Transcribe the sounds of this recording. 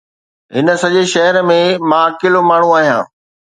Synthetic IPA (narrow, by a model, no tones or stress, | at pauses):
ɦɪnə̆sɐʄeʃɐɦəɾmẽmãkɪlomaːɳ̤ũaːɦijã̰ː